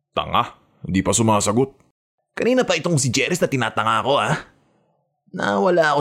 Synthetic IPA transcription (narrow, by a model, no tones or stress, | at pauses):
t̪ɐ̰ŋa̰ | hɪnd̪iːpɐsʊmaaːsɐɡot̪̚ | kɐniːnɐpɐʔɪt̪o̞ŋs̬ɪd͡ʒɛɾɛsnɐt̪ɪna̰ːt̪ɐŋako̞ʔa | nɐ̰wɐlaːɐko